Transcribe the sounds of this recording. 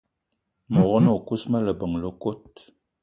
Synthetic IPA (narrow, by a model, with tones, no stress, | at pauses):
mɔ˨ɣɔ˦no˨ku˦smə˦lə˨bə˨ŋlo˦ko˦t̚